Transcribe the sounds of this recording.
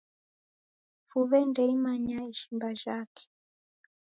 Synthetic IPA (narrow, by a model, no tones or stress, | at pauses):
fuβɛndɛimaɲaiʃimbaʒakɛ̥